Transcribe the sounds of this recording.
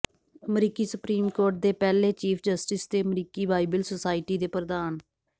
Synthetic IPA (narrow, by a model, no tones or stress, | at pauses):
əmɾiːkiːsʊpɾiːmkoːɾʈ̚d̪eːpɛːleːt͡ʃiːpʰd͡ʒəsʈɪsd̪eːəmɾiːkiːbaːibəlsosaːɪʈiːd̪eːpɾəd̪aːn